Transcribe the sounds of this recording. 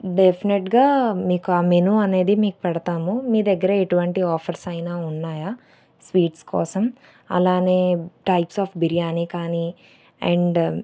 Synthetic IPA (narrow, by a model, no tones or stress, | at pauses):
ɖepʰineʈɡaːmiːkuaːmenuɐne̞ːd̪imiːku̥pɛɽɐt̪aːmumiːd̪ɐɡːɐɾɐeʈuʋɐɳʈiɔːpʰɐɾsɐjnaːunːaːjaː | sʋiːʈskɔ̰ːsɐm | ɐ̰laːne̞ːʈɐjpsaːpbiɾijaːniːkaːni | ɛ̰ɳɖ